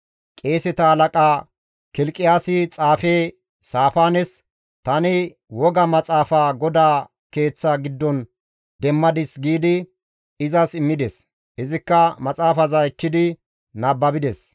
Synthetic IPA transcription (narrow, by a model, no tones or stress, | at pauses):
kʼe̞ːsɛt̪ɐhɐlɐkʼaː | kɪlkʼːɪjaːsɪt͡sʼaːfeː | saːfaːnɛs | t̪ɐnɪ | wɔɡɐmɐt͡sʼaːfaːɡɔd̪aː | ke̞ːt͡sːɐɡɪd̪ːɔn | d̪ɛmːɐd̪ɪsɡiːd̪ɪ | ɪzɐsɪmːɪd̪ɛs | ɪzɪkːɐmɐt͡sʼaːfɐzɐɛkːɪd̪ɪ | nɐbːɐbɪd̪ɛs